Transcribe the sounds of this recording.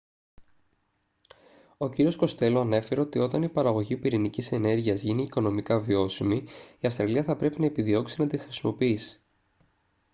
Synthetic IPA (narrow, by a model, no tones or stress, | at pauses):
o̞ciɾio̞sko̞st̪e̞loɐne̞feɾeo̞t̪io̞t̪ɐnipɐɾɐɣo̞ʝipiɾinicise̞ne̞ɾʝiɐzʝiniːko̞no̞mikɐvio̞simiiɐfst̪ɾɐliɐθɐpɾe̞pinɐepiðio̞ksinɐt̪ixɾisimo̞piisi̥